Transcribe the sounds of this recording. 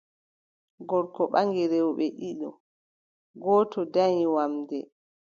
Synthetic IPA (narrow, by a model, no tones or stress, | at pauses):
ɡɔɾkɔɓaŋɡiɾɛwɓɛʔiɗɔ̰ | ɡɔːtɔdaɲiwamdɛ